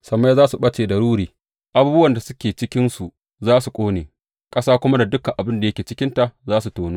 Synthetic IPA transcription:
sɐ˨mːa˦jzaː˦su˨ɓɐ˦t͡ʃeː˨dɐ˨ɽuː˦ɾiː˨ | ʔa˨buː˦bʊ˦wɐ˨nda˨sʊ˦kʲeː˨t͡ʃɪ˦kʲɪ˦nsu˨ | zaː˦su˨kʷʼoː˦neː˨ | kʼɐ˦saː˦kʷʊ˦ma˦da˨dʊ˦ka˨ʔa˨bɪ˦nda˨jɐ˦kʲeː˨t͡ʃɪ˦kʲɪ˦nta˨ʔzaː˦su˨toː˨nuː˦

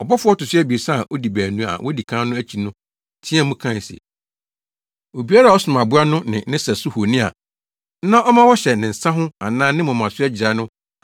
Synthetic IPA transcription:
ɔ˨bɔ˦fʊ˦ɔ˦tʊ˨sʊ˦ɛ˦bi˨e˨sa˦˨ʔo˦di˨bæː˨nũ˨˦a̰˨wʔɔ˦di˨kʰãː˦nʊ̃˦æ˦t͡ɕʰi˨nʊ̃˦ | tʰɪ̃˦ɛ˦mʊ̃˦kʰã˦˨n˨sḭ˨ | o˨bi˦a˦ɾa˨ɔ˦sʊ˨m˨ã˨bʊ˦a˦nʊ̃˦nɪ̰̃˨nɪ̃˦sɛ˨sʊ˦hu˨nɪ̃˦a̰˨˦ | nã˦ʔɔ˦mã˦wɔ˦ɕɛ˨nɪ̃˨n̩˨sã˦ɦʊ̃˦a˨nãː˦nɪ̃˦mʊ̃˨mã˨sʊ˦ɛ˦d͡ʑɪ˨a˨˦nʊ̃˦

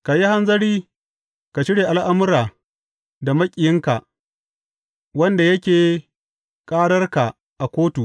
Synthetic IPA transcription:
ka˨ji˦ha˦nzɐ˦ɽiː˦ | ka˨ʃɪ˦ɽeː˨ʔa˦˨lʔa˦mʊ˦ɾaː˨ | da˨mɐ˦kʲʼɪ˨jɪ˦ŋka˨ʔ | wɐ˦nda˨jɐ˦kʲeː˨ | kʼaː˦ɽɐ˦rka˨ | ʔa˨kʷoː˦tu˨

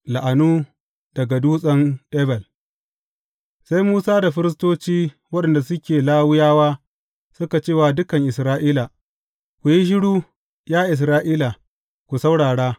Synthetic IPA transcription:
la˨ʔa˨nuː˦ | d̥ɐ˨ɡa˨duː˦sʼɐ˦nɗɛː˦bɛ˨l | sa˦jmuː˦saː˦da˨ɸɪ˦ɾɪ˦s̬toː˦t͡ʃiː˦ | wɐ˦ɗɛ˨nda˨sʊ˦kʲeː˨laː˦wʊ˦jaː˦waː˦ | sʊ˦ka˨t͡ʃeː˦˨wa˨dʊ˦kɐ˨ŋʔɪ˨sɾaː˦ʔiː˦la˨ | kʷu˨ji˦ʃ̬ɪ˦ɽuː˦ | jaː˦ʔɪ˨s̬ɾaː˦ʔiː˦la˨ | kʷu˨sa˦wɽaː˨ɽaː˦

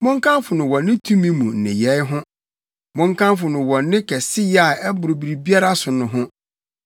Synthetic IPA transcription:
mʊ̃˦ŋ̩˦kʰã˦mfʊ˨nʊ̃˨wɔ̃˨nːɪ̃˦tʰũ˦mĩ˦mũ˨n̩˨nɪ̰̃˨jɛ˨˦ɦʊ̃˦ | mʊ̃˦ŋkʰã˦mfʊ˨nʊ̃˨wɔ̃˨nːɪ̃˦kʰɛ˨sɪ˦ja˨ɛ˦bʊ˨ɾʊ˨bi˨ɾi˨bi˦a˦ɾa˦sʊ˨nʊ̃˨ɦʊ̃˦

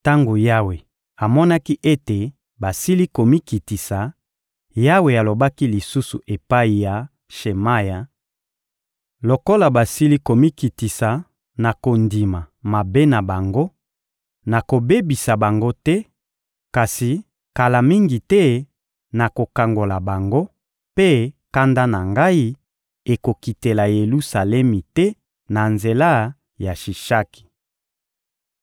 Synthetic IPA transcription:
ta˦ŋɡo˨ja˦we˨ | a˨mɔ˦na˦ki˦ʔe˦te˨ | ba˨si˦li˦ko˨mi˦ki˨ti˨sa˨ | ja˦we˨a˨lo˨ba˦ki˦li˨su˦su˨ʔe˨pa˦i˨ja˨ | ʃe˨ma˦ja˨ | lo˨ko˦la˨ba˨si˦li˦ko˨mi˦ki˨ti˨sa˨ | na˨ko˨ndi˨ma˨ | ma˨be˦na˨ba˨ŋɡo˦ | na˨ko˨be˦bi˨sa˨ba˨ŋɡo˦tɛ˦ | ka˨si˨ | ka˨la˨mi˦ŋɡi˨tɛ˦ | na˨ko˨ka˨ŋɡo˨la˨ba˨ŋɡo˦ | pe˦ka˦nda˦na˨ŋɡa˦i˦ | e˨ko˨ki˨te˨la˨je˨lu˦sa˨lɛ˦mi˨tɛ˦ | na˨nze˨la˦ | ja˨ʃi˨ʃa˦ki̥˨

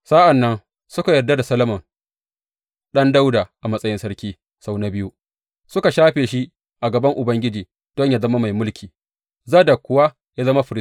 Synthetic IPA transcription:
sa˦ʔa˨nːɐ˦n | sʊ˦ka˨jɐ˨rda˦da˨sɐ˦lɐ˦mɐ˨ŋ | ɗɐ˦nda˦wdaː˨ʔa˨mɐ˦sʼɐ˦jɪ˦nsɐ˦ɾkʲiː˦ | sa˦wna˦bɪ˦ju˦ | sʊ˦ka˨ʃaː˦ɸeː˨ʃi˦ | ʔa˨ɡɐ˨bɐ˦ŋʔʊ˨bɐ˦ŋɡʲɪ˦d͡ʒiː˨ | d̥ɔ˦ɲja˦zɐ˦ma˦ma˨jmʊ˦lkʲʰiː˨ | zaː˦da˨kʷʊ˨˦wa˦ | ja˦zɐ˦ma˦ɸɪ˨ɾɪ˦

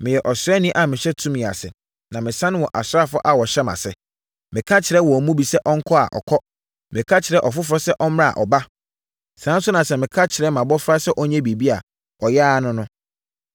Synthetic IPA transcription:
mɪ̃˨jɛ˨ʔɔ˨sɾɛ˦nĩ˦ʔa˨mɪ̃˨ɕɛ˦tʰũ˦mĩ˨a̰˨sɪ̰˨ | nã˨mɪ̃˨sã˦ñ˦wɔ˨ʔa˨sɾa˦˨fɔ˦ʔa˨wɔ˨ɕɛ˦ma̰˨sɛ˨ | mɪ̃˨kʰa˦t͡ɕʰɪ˨ɾɛ˦wɔ˨ɔ˨mũ˦bi˨sɛ˦ʔɔ˦ŋ̩˦kʰɔ˦a̰˨ʔɔ̰˨kʰɔ˦ | mɪ̃˨kʰa˦t͡ɕʰɪ˨ɾɛ˦ʔɔ˨fʊ˦fɔ˦sɛ˦ʔɔ˦m˦ã˦a̰˨ʔɔ˨ba˦ | sã˨˦n˦sʊ˦nã˨sɛ˦˨mɪ̃˨kʰa˦t͡ɕʰɪ˨ɾɛ˦mã˨bɔ˦fɾa˦sɛ˦ʔɔ˦ɲɛ̃˦bi˨bi˦a˨ | ɔ˨jɛ˦nʊ̃˦nʊ̃˦

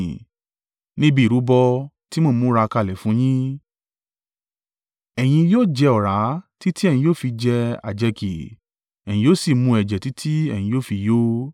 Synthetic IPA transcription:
nĩ˦bi˦˨ɾu˨˦bɔ˧ti˦mõ˦˨mũ˦ɾa˧ka˧˨lɛ˨fũ˨˦j̃ĩ˦ | ɛ˨j̃ĩ˧joː˦˨d͡ʒɛ˧ɔ˨ɾa˨˦ti˦ti˦ɛ˦˨jĩ˧joː˦˨fi˧d͡ʒɛ˧a̰˨d͡ʒɛ˧ki˨ | ɛ˨j̃ĩ˧joː˦si˦˨mũ˧ɛ˨d͡ʒɛ˨ti˨˦tʰi˦ɛ˨j̃ĩ˧joː˦˨fi˧joː˦

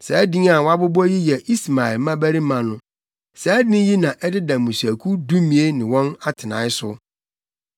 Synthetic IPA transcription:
sɛ˨˦dɪ̃˦ŋa˨wa˦bʊ˦bɔ˦ji˦jɛ˨ʔi˦sma˨ɪ˨lmã˦bæ˦ɾi˦mã˨nʊ̃˦ | sɛ˦dɪ̃˦ji˦nã˨ʔɛ˦dɪ˦dã˨mũ˨sæ˨kʰu˦du˦mĩ˨e˦nɪ̃˨wɔ̃˦na˦tʰɪ˨nã˨ɪ˦sʊ˦

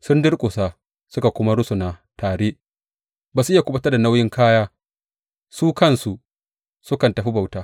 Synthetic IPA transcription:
sʊ˦ndɪ˦ɽkʼʊ˨sa˨ | sʊ˦ka˨kʷʊ˦ma˦ɽʊ˦su˨na˨taː˨ɽeː˦ʔ | baː˨su˨ʔɪ˦a˨kʷʊ˦bɐ˦tɐ˦da˨na˦wjɪ˦ŋkʰaː˦jaː˦ | suː˦kɐ˦nsu˨ | sʊ˦kɐ˨ntɐ˨ɸi˦ba˨wtaː˦

